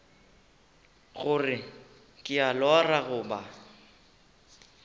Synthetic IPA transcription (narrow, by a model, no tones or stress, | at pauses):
ɣʊrɪ | kʼɪalɔraɣʊːba